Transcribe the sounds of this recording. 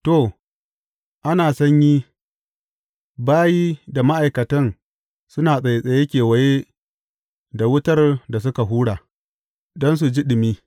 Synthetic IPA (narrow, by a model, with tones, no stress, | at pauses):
to˦˨ | ʔa˦naː˨sɐ˦ɲjiː˦ | baː˦jiː˦da˨ma˦ʔa˨jkɐ˨tɐ˦n | sʊ˦naː˨sʼɐ˨je˨sʼɐ˨je˦kʲeː˨wɐ˨je˦ | da˨wʊ˦tɐ˦rda˨s̬ʊ˦ka˨ɦuː˦ɽaː˨ | dɔ˦ns̬u˨d͡ʒi˦ɗɪ˨miː˦